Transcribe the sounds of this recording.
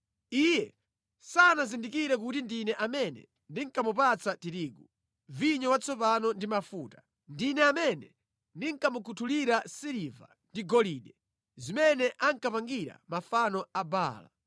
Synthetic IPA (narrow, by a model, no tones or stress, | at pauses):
ijɛ | sanazindikiɾɛk̬utindinɛʔamɛnɛ̰ | ndiŋ̩kamupat͡satiɾiɡu | viɲɔwat͡sɔpanɔndimafuːtḁ | ndinɛamɛnɛ | ndiŋkamukʰutʰuliɾasiɾiva̰ | ndiɡɔliːɗɛ | zimɛnɛʔaŋkapaŋɡiɾa̰mafanɔaba̰ːla̰